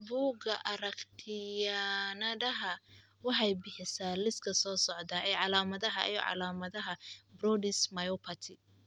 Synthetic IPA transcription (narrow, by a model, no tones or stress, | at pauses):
buːɡɐʔɐɾɐkt̪ʰɪjanɐɖɐɦɐ | wɑħɑjbɪħɪsaːlɪskʰɐsɔːsɔʕd̪ɐʔɛjʕɑlaːmɐðɐɦɐ̰ʔḭjɔ̰ʕɑ̰laːmɐðɐɦɐbrɔdɪsmɐjɔpʰɐt̪ʰɪ